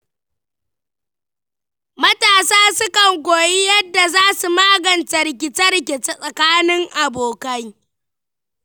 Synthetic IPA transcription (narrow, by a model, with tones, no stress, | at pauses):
mɐ˦taː˨saː˦sʊ˦kɐ˨ŋɡʷoː˨ji˦jɐ˦dːa˨zaː˦su˨maː˦ɡɐ˨ntɐ˨rk̬ʲɪ˨t͡ʃɐ˦rkʲe˨t͡ʃe˦sʼɐ˨kaː˦nɪ˦ŋʔa˨boː˨kɐ˦j